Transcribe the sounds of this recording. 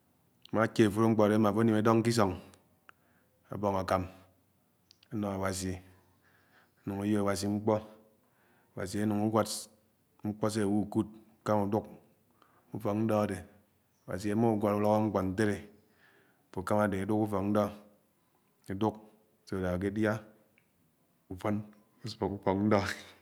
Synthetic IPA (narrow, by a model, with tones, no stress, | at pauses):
ma˨˦ke˨fo˦ɾo˦ŋ͡m̩˦k͡po˨de˨˦a˦ma˨fo˦ne˨me˨dɔ˦ŋ˦ki˦s̬o˨ŋ | a̰˨bɔ˨ŋa˨ka˨m | a˦nɔ˨a˨wa˨s̬i˨ | a˨˦nu˨ŋu˨jo˦a˨wa˨s̬i˨ŋ͡m̩˦k͡pɔ˦ | a˨wa̰˨s̬i˨e˦nu˨ŋu˦ɡʷa˦t | ŋ͡m̩˦k͡pɔ˦s̬e˦˨wu˦˨ku˦t̚ka˦mu˨du˦k̚ | u˦fɔ˨k̚n̩˦dɔ˦a˨de˨ | a˨wa̰˨s̬i˨e˨mo˦u˦ɡʷa˨tu˦lɔ˦kɔ˦ŋ͡m̩˦k͡pɔ˨n̩˦te˦ɾe˨ | fo˨ka˦ma˨de˨a˨˦du˦ku˦fɔ˨kn̩˦dɔ˦ | e˨du˦k̚ | se˨da˨a˨k̬e˦dja˦ | u˨fo˦n | u˦spo˨ku˦fo˨kn̩˦dɔ˦˨